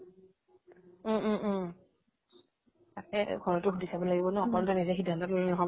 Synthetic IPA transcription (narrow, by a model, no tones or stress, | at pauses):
tatɛ̰ɡʱɔɹɔtʊxudisabɔlaɡibɔnɛxɔkɔlɔtɔnizɛxidʱːantɔtolɛnɔɦɔb